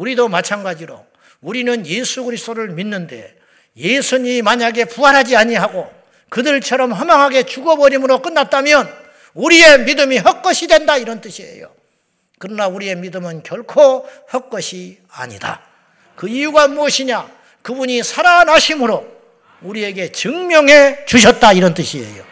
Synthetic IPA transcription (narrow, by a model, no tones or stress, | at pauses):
uɾidomat͡ɕʰanɡad͡ʑiɾo̰ | uɾinɯnje̞sʰuɡɯɾist͈oɾɯɭminːɯnde̞̰ | je̞sʰuɲimimaɲaɡe̞puɦaɾɦad͡ʑiaɲiɦaɡo | kɯdɯɭt͡ɕʰʌɾʌmɦʌmjʌŋɦaɡe̞t͡ɕuɡʌbʌɾimɯɾok͈ɯnːat̚t͈amjʌn | uɾie̞midɯmiɦʌk͈ʌɕʰidwe̞ndaiɾʌnt͈ɯɕʰie̞̰jo̰ | kɯɾʌnauɾie̞midɯmɯnkjʌɭkʰohʌk͈ʌɕʰi | a̰ɲḭda̰ | kɯijuɡamuʌɕʰiɲa | kɯbuɲisʰaɾanɦaɕʰimɯɾo | uɾie̞ɡe̞t͡ɕɯŋmjʌŋɦe̞t͡ɕuɕ̬ʰʌt̚t͈aiɾʌnt͈ɯɕʰie̞̰jo̰